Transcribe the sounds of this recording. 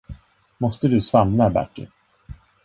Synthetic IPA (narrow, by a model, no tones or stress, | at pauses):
mɔst̪əd̪ɵsvamnabæ̰ʈːɪ̰